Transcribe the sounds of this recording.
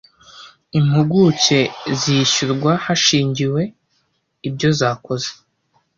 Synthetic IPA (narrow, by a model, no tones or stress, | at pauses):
im̥huɡuce̞ziʃuɾɡwahaʃiːɲɟiwe̞ | ibɟo̞zaːko̞ze̥